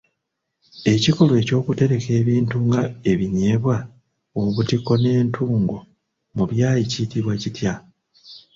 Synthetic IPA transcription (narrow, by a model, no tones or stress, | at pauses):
e̞ciko̞lwe̞ːco̞ːkute̞ɾe̞ke̞ːβiːntuŋɡae̞βiɲe̞βwa | oβutiko̞ne̞ːntʰuːŋɡo̞ | muβjaːjicitiβwacitja